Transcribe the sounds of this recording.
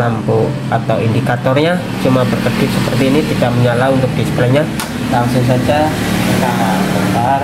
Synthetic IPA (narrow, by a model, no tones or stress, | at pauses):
lampu | at̪awindikat̪ɔrɲa | t͡ʃumabərkəd̥ɪsəpərt̪iːnit̪idaʔ̚məɲalaunt̪ʊk̚d̥isə̥kilaɲa | laŋsuŋs̬ad͡ʒa | kaakətar